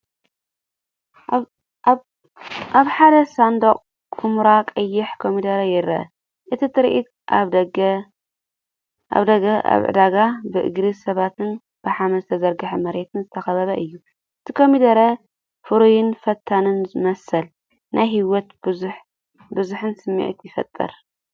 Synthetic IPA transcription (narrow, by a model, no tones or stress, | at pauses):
ʔaβħad̪ɐsand̪oqʼ | kʰumɾakʼɐjːɪħkʰomid̪ɐɾɐjɪɾɐ̰ʔɐ̰ | ʔɨt̪ʰit̪ʰɨɾʔḭt̪ | ʔaβɐɡ | ʔa̰βd̪ɐɡɐa̰βʕɨ̰d̪aɡabɨʔɨ̰ɡɾisɐβat̪ʰɨn | b̥ɨħamɐzɨt̪ʰɐzɐɾɡɐħɐmɐɾet̪ʰɨnzɨt̪ʰɐxɐβɐβɐʔɨjːu | ʔɨt̪ʰikʰo̞mid̪ɐɾɐ | fɨɾujɪnfɐt̪ʰːanɨnzɨmɐsːɐl | nʔajɦiwɔt̪bɨzħ | bɨzuħɨnsɨmːḭʕḭt̪jɪfɐ̰t̪ʼːɨ̰ɾ